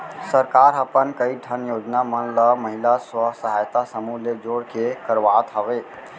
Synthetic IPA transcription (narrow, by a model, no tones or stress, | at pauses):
səɾkaɾəpənkəiʈʰənjod͡ʒnamənləməɦilaswəɦsəɦajt̪asəmuled͡ʒoɽkekəɾʋat̪ɦəbe